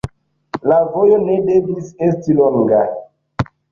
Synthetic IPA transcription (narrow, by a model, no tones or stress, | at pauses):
lavo̞jo̞ne̞de̞vise̞stilo̞ŋɡa